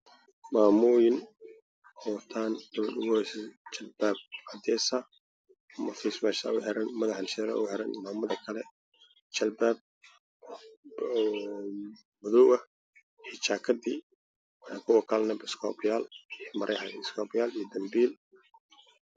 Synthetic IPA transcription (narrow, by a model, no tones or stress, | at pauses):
maːmuːjɪn | ɔt̪ʰaːnd̪̥ɐβɐd̪ʊɣʊhɛsɛt͡ʃɐlbaːb̚ʕɑd̪ɛːsɐ | mɐfismɛʃɐ̰ʊħɛɾɛnmɐðɐħanʃɛɾɐ̰ʔʊ̰ħɛɾɐnmaːmɐðɐkʰɐlɛ | t͡ʃɐlbaːb̚ | mʊðɔwʔɐː | t͡ʃaːkʰɐdiː | wɑkʰʊwɐkʰɐlɛnɐbɪskʰɔːpɪjaːlmɐɾʔɛjħanɪskʰɔːbɪjaːlijd̪ɐmbiːl